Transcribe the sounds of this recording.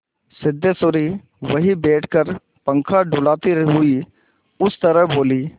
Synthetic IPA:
sɪd̪ʱːesoːɾi | ʋəɦibeːʈʰkəɾ | pə̃ŋkʰaɖʊlaːt̪iɾɦʊi | ʊst̪əɾəɦboːliː

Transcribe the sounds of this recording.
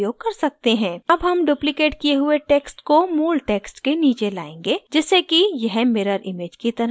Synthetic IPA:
joːɡ̚kɐɾsɐk̚t̪eɦɛ̃ːɐbɦɐmɖuːplɪkeːʈkieɦʊeʈeːksʈkomuːlʈeːksʈkeniːt͡ʃela̰ːẽːŋɡeːd͡ʒɛːsekijɛɦmeːɾəɾʔɪmeːd͡ʒkit̪ɐɾ

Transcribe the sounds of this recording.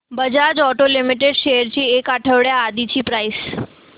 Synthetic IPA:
bəd͡ʒad͡ʒɔʈolimiʈeɖʃejəɾt͡ɕʰiekaʈʰəʋɽjaːd̪it͡ʃʰipɾais

